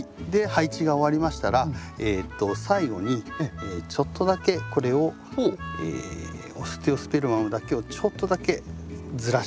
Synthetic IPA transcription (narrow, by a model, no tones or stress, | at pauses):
d̪e̞hait͡ɕiɡao̞βaɾʲimaɕi̥t̪aɾaeːt̪ːo̞saiɡo̞ɲ̟iet͡ɕo̞t̪ʰːo̞d̪ake̞ko̞ɾe̞o̞ | ḛː | osɨ̥t̪e̞o̞sɨ̥be̞ɾɯmamod̪ake̞o̞t͡ɕo̞t̪ːo̞d̪ake̞d͡zɨɾa